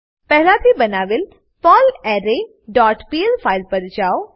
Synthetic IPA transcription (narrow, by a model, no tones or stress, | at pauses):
pɛɦlat̪ʰibɐnaːʋel | pɔːlɛːɾe | ɖɔːʈpielpʰaːɪlpəɾd͡ʒaːo